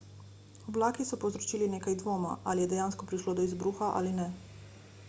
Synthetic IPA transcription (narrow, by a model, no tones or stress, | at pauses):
ɔblaːkisɔpowzɾɔt͡ʃiːlineːkajd̪ʋoːma̰ʔalijɛd̪ɛjaːnskɔpɾiʃlod̪ɔizbɾuːxaʔa̰linɛ